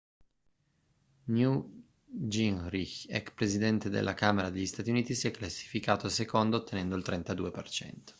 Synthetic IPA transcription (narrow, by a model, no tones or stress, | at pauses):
nju | d͡ʒinɾiçɛ̰kspɾezid̪ɛnt̪ed̪ḛlʔakaːmeɾad̪eʎːist̪aːt̪iuniːt̪isiɛkːlasːi̥fikaːt̪osekond̪oːt̪ʰːenɛnd̪oilt̪ɾent̪ad̪uːepert͡ʃɛ̰nt̪o̥